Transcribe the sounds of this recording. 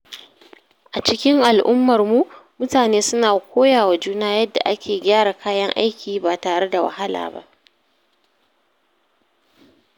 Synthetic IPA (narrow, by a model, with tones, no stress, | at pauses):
ʔa˨t͡ʃɪ˦kʲɪ˦ŋʔa˨lʔʊ˦mːɐ˨rmu˦mʊ˦taː˨neː˦sʊ˦naː˨kʷoː˦jaː˨wa˨d͡ʒuː˦naː˦jɐ˦dːa̰˨ʔa˦kʲʰeː˨ɡʲaː˦ɽa˨kʰaː˦jɐ˦ŋʔa̰˦jkʲiː˨˦ba˨taː˨ɽe˦da˨wa̰˨ɦa˦la̰ː˨ba̰˦ʔ